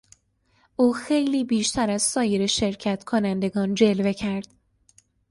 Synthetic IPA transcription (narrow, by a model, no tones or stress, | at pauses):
ʔuːxe̞jliːbiːʃt̪ʰæɾæzsɒːjeɾeʃe̞ɾcʰæt̪ʰkʰonænd̪e̞ɡɒːnd͡ʒe̞lve̞cʰæɾd̪̥